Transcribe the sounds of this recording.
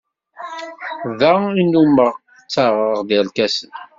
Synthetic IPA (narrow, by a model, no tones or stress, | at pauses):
ðæinːuməʁ | t͡sːaʁəəʁðiʁlkæsən